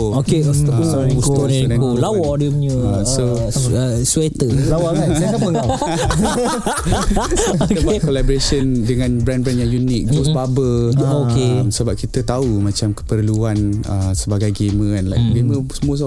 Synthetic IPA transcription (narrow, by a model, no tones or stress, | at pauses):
okes | sut̪oənãɡolawɔdimɲuəsoəswet̪əlawɔaeapəŋa | dəpakolabɔɾesəndəŋãnbɾɛnbɾãnjaŋjunik̚ɡosbabəokemsəbap̚kit̪ət̪aumãt͡ʃamkə̥pərluanəsəbaɡajɡemə̃ɛnlajk̚ɡemə̃səmuəs̬